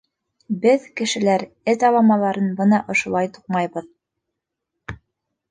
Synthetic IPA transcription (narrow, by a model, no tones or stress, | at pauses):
bɘðkɘ̆ʃɘ̆læɾ | ɘt̪ɑlˠɑmɑlˠɑɾɤnbɤnɑʔŏʃŏlˠɑjt̪u̥q̚mɑjβɤð